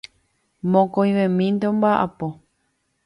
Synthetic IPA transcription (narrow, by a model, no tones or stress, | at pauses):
mõkojʋẽmĩnd̪eõmbaʔa̰po